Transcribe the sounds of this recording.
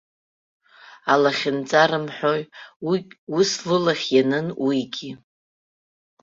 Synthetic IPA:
alaχʲɪnt͡sʼaɾɨmħʷᶣoj | uslɨlaχʲjanɨnwiɡʲi

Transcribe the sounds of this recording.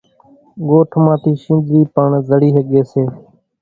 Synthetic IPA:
ɠoːʈʰmãːt̪ʰiːʃĩːnd̪ʱɾiːpəɳzəɽiːɦəɠeːseː

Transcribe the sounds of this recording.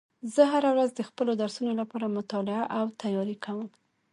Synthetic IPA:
zəɦaɾawɾazd̪əxpəlod̪aɾsunolapɑɾamʊt̪ɑlɪaʔawt̪ajɑɾikʰawəm

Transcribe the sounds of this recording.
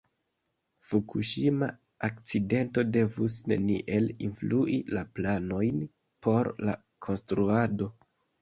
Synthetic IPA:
fukʰuʃima | ak̚t͡side̞nto̞de̞vusne̞̰nḭʔe̞linfluʔilaplano̞jn | po̞ɾla̰ | kʰo̞nstɾuado̞

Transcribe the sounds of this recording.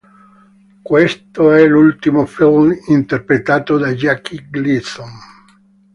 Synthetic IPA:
kwest̪oɛlult̪imofilmint̪erpɾet̪aːt̪od̪ad͡ʒakːiɡlison

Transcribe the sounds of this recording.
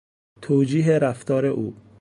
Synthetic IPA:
t̪ʰoːd͡ʒiːɦeɾæft̪ʰɒːɾeʔuː

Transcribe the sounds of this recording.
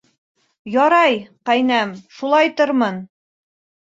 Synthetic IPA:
jɒɾɑjqæjnæmʃulˠɑjt̪oɾmɤn

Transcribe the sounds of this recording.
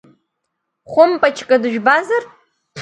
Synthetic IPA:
χʷʊmpʼat͡ʃʰkʼɐdɨʒᶣbazarʰ

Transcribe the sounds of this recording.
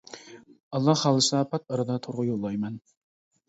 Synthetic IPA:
ɑlˠːɑhhɑlˠɨsnɑpʰɑt̪̚ɑɾɨd̪ɑt̪ʰoɾʁʊjolˠːɑjmɛn

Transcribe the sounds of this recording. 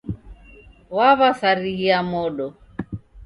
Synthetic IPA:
waβasaɾiɣiamɔɗɔ

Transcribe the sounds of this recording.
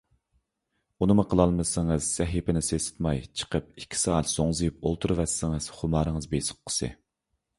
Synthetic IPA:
unɨmʊqʰəlˠɑlˠmɨsɪŋəz̥sɛɦipɪnɪsesɪ̥t̪mɑjt͡ʃʰə̥qəp̚ikʲʰːi̥sɑːɛt̪soŋzɨjp̚olˠt̪ʰuɾvɛsːɪŋɨz̥χʊmɑːɾəŋəzbesʊ̥q̚ʰːə̥sɨ̰

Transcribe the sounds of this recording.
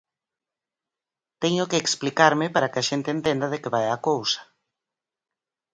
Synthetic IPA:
t̪ɛɲʊkeːksplikaɾmɪpaɾakeaʃent̪eːnt̪end̪aðekeβajakowsḁ

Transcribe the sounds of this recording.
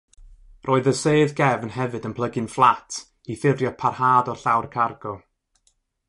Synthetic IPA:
rʔoːɨðəseɨðɡɛvnhɛvɨdənpʰlˠəɡɨnflˠatʰ | iθɪvjɔd̚pʰarhaːdɔrɬawrkʰarɡ̥ɔ

